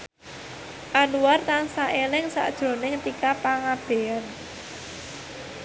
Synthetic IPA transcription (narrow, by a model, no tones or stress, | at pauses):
ʔanuwart̪ansaʔelɪŋsa̰ʔd̥ʒ̥ɾo̤nɪŋt̪ikapaŋab̥e̤an